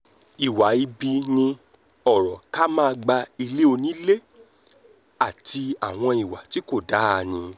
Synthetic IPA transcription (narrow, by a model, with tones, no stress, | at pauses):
i˨wa˨i˧bi˧nĩ˧ | ɔ˨ɾɔ˨ka˦mãː˦˧ɡ͡ba˧i˧le˦o˧nĩ˦le˦ | a˦˨ti˧a˨w̃ɔ̃˧i˨wa˨ti˨˦ko˦˨da˨˦˧nĩ˧